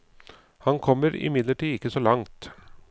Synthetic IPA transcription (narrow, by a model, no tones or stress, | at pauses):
hɑnkʰɔmːəɾɪ̰mɪd̪ləʈiːɪkːəsoːlɑŋt̪